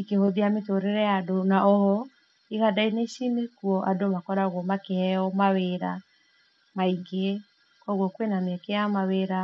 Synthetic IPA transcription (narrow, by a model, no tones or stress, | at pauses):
ikehoðiametoɾeɾɛjadonaoɾɔ | iɣadaineʃinekuɔʔadomakɔɾaɣwɔmakehɛɔmaweɾa | maiŋɡe | kɔɣwɔkwenamɛkeamaweɾa